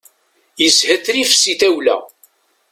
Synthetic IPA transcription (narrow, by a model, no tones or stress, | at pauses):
jəshəθɾifsiθæwlæ̰